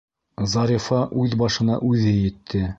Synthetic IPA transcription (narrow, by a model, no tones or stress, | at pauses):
zɑɾʲifɑʔʉðbɑʃɤ̆nɑ̰ʔʉðɘjɘ̆t̪ʰːɘ